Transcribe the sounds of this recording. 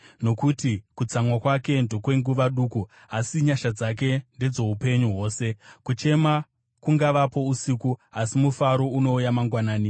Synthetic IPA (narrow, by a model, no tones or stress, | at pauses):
no̞kutikut͡samwakwake̞ndo̞kwe̞ŋɡuʋaɗuːku | asiɲaʃad͡zak̬e̞nde̞d͡zo̞upe̞ɲuɦwo̞ːse̞kut͡ʃe̞ma | kuŋɡaʋapo̞usikuasimufaɾouno̞ujamaŋɡwanaːni